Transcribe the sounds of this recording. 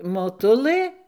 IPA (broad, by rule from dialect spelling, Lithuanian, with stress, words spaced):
moːˈtʊlˠɘ